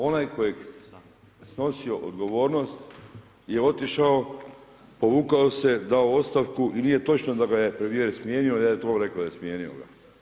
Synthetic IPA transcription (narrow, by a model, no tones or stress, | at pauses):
o̞najko̞jeɡ | sno̞sio̞ʔo̰d̪ɡo̞ʋo̞ːɾno̞st̪ | je̞o̞t̪iʃao | po̞ʋuːkaose̞d̪aoo̞t̪st̪aʋkuʔiniːje̞t̪o̞t͡ʃnod̪aɡajepɾemjeɾsmjeːniojaːjet̪oɾe̞klaajesmijeːnio̰ɡa̰